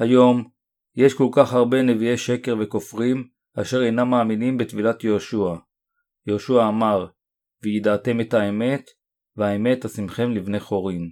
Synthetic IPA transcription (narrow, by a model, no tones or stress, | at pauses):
hajo̞m | je̞ʃko̞lkaχhaʁbe̞ne̞vieʃe̞ke̞ʁve̞ko̞fʁim | aʃe̞ʁejnamːaːminimbetvilatjeoʃua | jeoʃuaːmaʁ | vejidaːte̞methaeme̞t | veaeme̞tasimχe̞mlivne̞χo̞ʁim